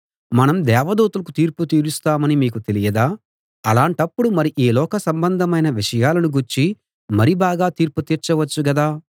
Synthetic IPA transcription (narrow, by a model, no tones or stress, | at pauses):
mɐnɐmd̪ɛːʋɐd̪uːt̪ulɐkut̪iːɾput̪iːɾust̪aːmɐnimiːkut̪e̞lijɐd̪aː | ɐlaːɳʈɐpːuɽumɐɾiʔiːlɔːkɐsɐmbɐnd̪ʱɐmɐjnɐʋiʂɐjaːlɐnuɡuɾt͡ʃi | mɐɾibaːɡaːt̪iːɾput̪iːɾt͡ʃɐʋɐt͡ʃːuɡɐd̪aː